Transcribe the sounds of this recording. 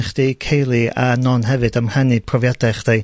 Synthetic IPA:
χd̥ejkʰejlˠianɔnɦɛvɨdəmr̥anɨpʰrɔvjadɛχd̥ej

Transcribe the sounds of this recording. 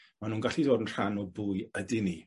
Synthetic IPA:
manuːnɡaɬidoːdənr̥anɔbʊɨədɪni

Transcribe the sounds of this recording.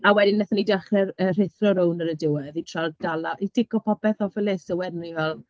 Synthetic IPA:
awɛdɪnɛθanidaχrɛrər̥ɪθrɔɾownəɾədɪwɛðitʰrald̥alˠaʔid̥ɪkɔpʰɔpɛθɔvɛlˠɪsəwɛrnivɛlˠ

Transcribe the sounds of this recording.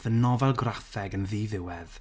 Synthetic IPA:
ðənɔvɛlˠɡraθɛɡənðiːðɪwɛð̥

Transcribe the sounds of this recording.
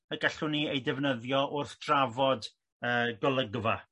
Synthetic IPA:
əɡaɬʊniejdɪvnəðjɔʔʊrθd̥ravɔd | əːɡɔlˠəɡva

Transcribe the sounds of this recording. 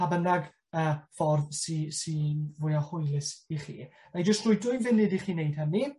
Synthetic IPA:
abənaɡ | əːfɔrðsisivʊjahʊjlɪsiχḭː | majd͡ʒəstrʊːjdʊɨnvɪnɪdiχiːnejd̥̚həni

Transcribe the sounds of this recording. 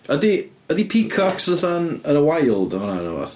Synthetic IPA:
ədi | ədipʰikʰɔksəɬanənəwajlˠdəmananə̰wɔ̰θ

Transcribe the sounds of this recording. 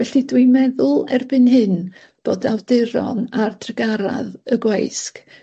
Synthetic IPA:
vɛɬidwɪmɛðʊlˠɛrbɨnɦɨn | b̥oːdawdɨɾɔ̰nardʰrəɡaɾa̰ðəɡwejsk

